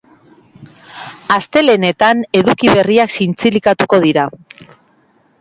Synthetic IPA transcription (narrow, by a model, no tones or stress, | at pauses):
ast̪e̞le̞ne̞t̪ane̞ðukiβe̞riaksint͡silikat̪uko̞ð̞iɾa